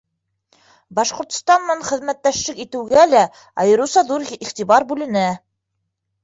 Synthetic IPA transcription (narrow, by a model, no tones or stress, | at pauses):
bɑʃqŏɾt̪̆st̪ɑnːɑɴχɘ̆ðmæt̪ːæʃlɘkit̪ɘ̆wɡælæ | ɑjɤ̆ɾɤwsɑðuɾiχt̪iβɑɾbʉlɘ̆næ